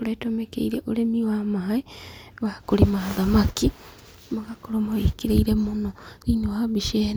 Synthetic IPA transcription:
uɾatomekḛiɾeʔoɾemiwamaɦaeβakoɾimaðamaki | maɣakoɾomaikiɾeiɾemonoiɲohaβiʃeːn

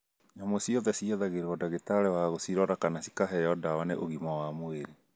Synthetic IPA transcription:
namosiɔðɛsiɔðaɣeɾɔdaɣetaɾɛwaɣosiɾɔɾakanasi̥kaɦɛjɔdawaneʔoɣimawamoeɾe

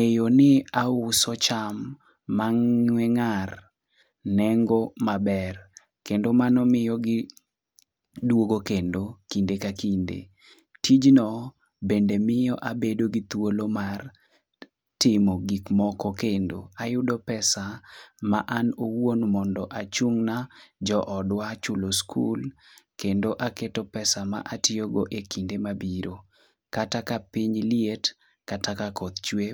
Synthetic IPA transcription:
ejonɪaʊsɔt͡ʃamː | aŋɲwɛŋar | nɛŋɡɔmabɛr | kendomanɔmɪjɔɡɪ | dwoɡokendokindekakindḛ | tʰid͡ʒnɔ | bendemɪjɔʔabedoɡɪt̪wolomar | tɪmɔɡikmɔkɔkendo̰ajʊdopɛsamaʔanowonmɔndɔʔat͡ʃuŋnad͡ʒɔʔɔdwat͡ʃʊloskʰṵl | kendoʔaketopɛsama̰ʔatɪoɡoʔekindemabiɾo | katakapɪɲliet | katakakɔt̪t͡ʃwe

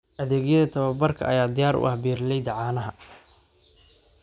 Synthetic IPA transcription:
ʔɐðeːɣjɐðɐt̪ʰɐβɐbɐrkʰɐ̰ʔɐjaːd̪ɪjaːɾʊ̰ʔɐhbiːrlɛjd̪ɐʕɑːnɐɦɐ

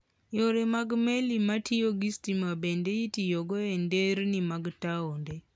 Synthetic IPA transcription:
joɾemaɡmelimatʰioɡistimabendeitijoɡɔendeɾnimaɡtaonde

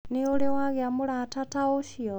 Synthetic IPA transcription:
niolewaɣjamulatataoʃio

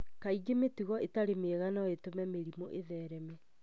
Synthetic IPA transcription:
kaiɡemetuɣɔetaɾemeɛɣanɔetomɛmeɾimoʔeðɛːɾɛme

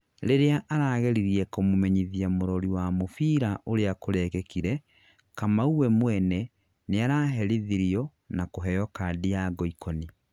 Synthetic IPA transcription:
ɾeɾeaʔaɾaɣɛɾiɾiɛkomomɛɲiðiamoɾɔɾiwamofiːɾaʔoɾeakoɾɛkɛkiɾɛ | kamauwɛmwɛnɛ | neaɾaːɦɛɾiðiɾiɔ | nakoɦɛjɔkadiaɡɔikʰɔni

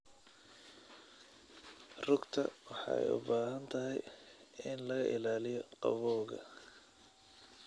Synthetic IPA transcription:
rʊɡt̪ʰɐ̰wɑħɑ̰ɛ̰jʊ̰baːɦɐnt̪ʰɐɦɛjɪnlɐɣɐʔɪlaːlɪjɔqɑ̰βɔːɣɐ̰

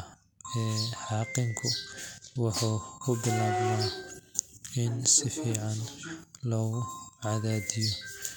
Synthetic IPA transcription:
ɛːħɑːqɪŋkʰʊwɑħuːkʰʊbɪlaːmna | ɪnsɪfiːʕɑnlɔːɣʊʕɑðaːðɪjɔ

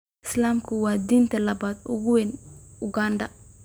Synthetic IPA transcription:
ɪslamkuwaːd̪iːnt̪ɛlɐbaːd̪ʊɡuwenʊɡandɐ

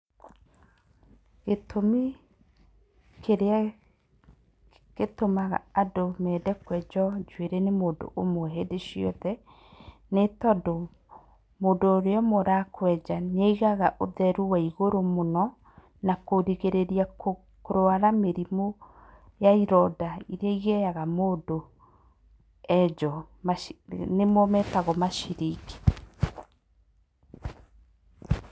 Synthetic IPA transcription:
ɣetʰomi | kʰeɾea | ɣetomaɣa̰adomɛdɛkwɛd͡ʒɔd͡ʒweɾenemoːndo̰ʔomoɦedeʃiɔ̰ðɛ | netɔdo | moːndoːɾeɔmoɾakwɛd͡ʒaɲeiɣaɣaʔoðɛɾuwaiɣoɾomonɔ | nakoɾiɣeɾeɾiao | koɾoaɾameɾimo | jaiɾɔdaiɾeaiɣɛjaɣamoːdo | ɛd͡ʒɔ | nemomɛtaɣɔmaʃiɾiki̥

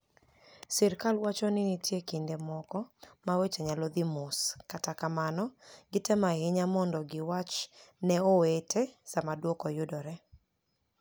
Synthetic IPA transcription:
sɛɾkalwat͡ʃɔnɪnitjekindemɔkɔmawet͡ʃɛɲalɔd̪imʊskatakamanɔɡɪtɛmahɪɲamɔndɔɡɪwat͡ʃnɛowetesamadwɔkɔjʊdɔɾɛ

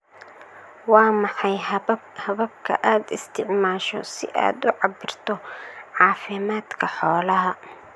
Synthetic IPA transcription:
wɑːmɑħɑjhɐβɐb̚kʰɐ̰ʔaːd̪ɪst̪ʰɪʕmaːʃɔ̰sɪ̰ʔa̰ːd̪ʊʕɑbɪrt̪ʰɔʕɑːfɪmaːd̪kʰɐħɔːlɐɦɐ

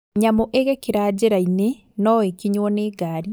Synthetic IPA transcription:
ɲamoʔeɣɛkeɾaːd͡ʑeɾaine | nɔwekiɲwɔneːɡaːɾi

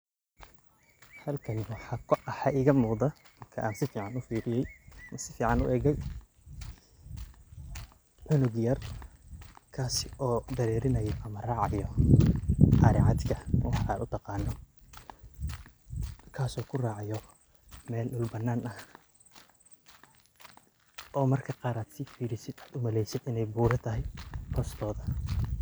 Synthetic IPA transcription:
hɐlkʰɐnwɑħɑːkʰːħɑʔɪːɣɐmuːðɐmɐrkʰɐʔaːnsɪfiːʕɑnʊfiːɽɪjɛjmɐsɪfiːʕɑnʊ̰ʔɛːɣɛj | ʕʊnʊɣjɐr | kʰaːsɪʔɔːd̪ɐɾɛːɾɪnɐjɔʔɐmɐraːʕɑjɔ | ħɑːɾɪʕɑd̪kʰɐwɑħɑːd̪ʊt̪ʰɑqɑːnːɔ | kʰaːsɔːkʰʊraːʕɑjɔ | mɛːlɗʊlbɐnːaːnɐh | ʔɔːmɐrkʰɐqɑːɾaːd̪sɪfiːɾɪsɪd̪aːd̪ʊmɐlɛjsɪd̪ɪnɛjbuːɾɐt̪ʰɐɦɛjhʰɔːst̪ʰɔːðɐ

